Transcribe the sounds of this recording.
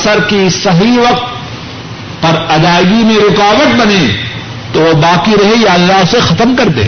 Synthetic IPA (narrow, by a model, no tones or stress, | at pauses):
səɾkisɐɦiʋɐq̚t̪̚ | pɐɾɐd̪aːɡimẽɾʊqaːʋət̪̚bɐne | t̪oobaːqiɾɐɦejaɐlːaɦsexɐt̪əmkɐɾt̪ḛɦ